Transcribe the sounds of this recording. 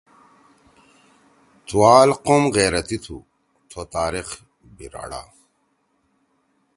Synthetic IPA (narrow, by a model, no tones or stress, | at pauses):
t̪ʰuwaːlqomɣeːɾɐt̪it̪ʰṵ | t̪ʰot̪aːɾix | biɾa̰ːɽa̰